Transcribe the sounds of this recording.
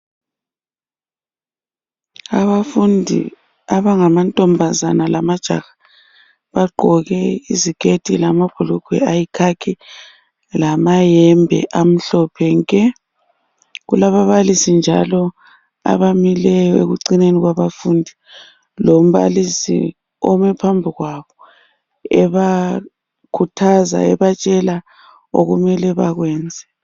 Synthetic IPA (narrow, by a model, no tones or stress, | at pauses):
aβafundʱḭ | aβaŋamantʼɔmbʱazanalamad̥ʒ̥ʱa̰ɣa | βaɡ͡ǃʱɔɣɛḭzikʰʼetʰʼilamab̥ʱuluɡ̥ʰʱwɛ̰ajikʰakʰi | lamajɛmbʱɛ̰ʔam̩ɬɔpʰɛŋkʼɛ | ɣṵlaβaβalisind͡ʒʱa̰lɔ | a̰βamilɛjɔḛɣuǀineniɣwaβafuːndʱi | lom̩βa̰lisḭ | ɔmɛpʰambʱiɣwaβɔ | ɛβa | kʰutʰaza̰ɛβat͡ʃʼɛla | o̰ɣumɛlɛβaɣwɛːnd͡zʱɛ